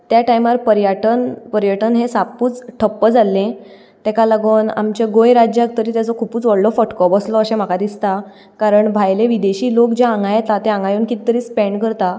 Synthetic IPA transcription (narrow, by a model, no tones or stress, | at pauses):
t̪jaʈajmaɾpəɾjaʈənpəɾjəʈənɦẽsapuːt͡sʈʰəpːəd͡zalːẽ | t̪ekalaɡuna̰mt͡ɕeɡojɾad͡ʑjak̚t̪əɾiːt̪jat͡sɔkʰupuːt͡sʋəɽlɔfəʈkɔbɔslɔəɕẽm̤akad̪ist̪a | kaɾəɳbʱajleʋid̪eɕiːlokd͡ʑeãŋɡajet̪at̪eãŋɡajoːnkit̪t̪ːəɾiːspɛ̃ɳɖkəɾt̪a